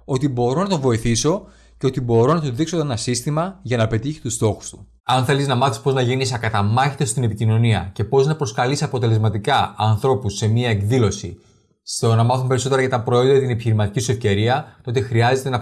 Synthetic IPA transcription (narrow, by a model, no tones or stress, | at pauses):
o̞t̪ibo̞ɾo̞nɐt̪ovo̞iθiso̞ | ce̞o̞t̪ibo̞ɾo̞nɐt̪oðikso̞enɐsist̪imɐʝɐnɐpe̞t̪içi̥st̪ust̪o̞xu̥st̪u̥ | ɐnθe̞liznɐmɐθispo̞znɐʝenis̬ɐkɐt̪ɐmɐçit̪est̪inepicino̞niɐ̰ce̞po̞znɐpɾo̞skɐlisɐpo̞t̪e̞le̞zmɐt̪ikɐɐnθɾo̞pusːe̞miɐe̞kðilo̞sḭ | st̪o̞nɐmɐθumpe̞ɾiso̞t̪e̞ɾɐʝɐt̪ɐpɾoeoðɐt̪ine̞piçiɾimɐt̪icisue̞fce̞ɾiɐt̪o̞t̪e̞xɾiɐze̞t̪enɐ